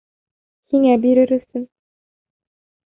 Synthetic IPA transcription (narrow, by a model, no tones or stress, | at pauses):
hiŋæbiɾɘɾɵ̆sɘn